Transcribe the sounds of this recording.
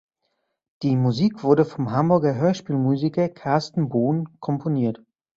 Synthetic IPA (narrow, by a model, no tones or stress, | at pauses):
d̥iːmuziːkv̥ʊɐdəfɔmɦambʊɐɡɐɦøːɐʃpiːlmuːzikɐkʰaɐstn̩boːnkʰɔmpʰoniːɐt